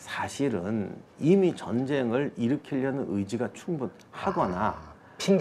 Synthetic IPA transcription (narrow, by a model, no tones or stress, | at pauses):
sʰaɕʰiɾɯ̰nimit͡ɕʌnd͡ʑe̞ŋɯɭiɾɯkʰiʎːʌnɯnɯjd͡ʑiɡat͡ɕʰuŋbun | haɡʌna | pʰiŋ